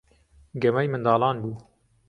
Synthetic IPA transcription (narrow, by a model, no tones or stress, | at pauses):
ɡɐmɐjmɨnd̪ɑːlɑːnbuː